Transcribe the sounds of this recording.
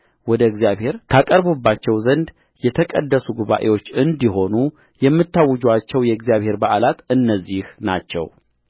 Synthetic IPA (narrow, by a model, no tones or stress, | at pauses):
wɔd̪əɡzijaβhe̞ɾt̪ʰakʼəɾbubːat͡ʃːɛwzənd̪ | jɛt̪ʰəkʼə̰d̪ːəsuɡuβa̰ʔe̞wo̞t͡ʃːɨnd̪iɦo̞nu | jɛmːɨt̪ːawːɔd͡ʒat͡ʃːɛwjɛɡzijaβhe̞ɾbaʔalat̪ɨnːəzːihna̰t͡ʃːɛ̰w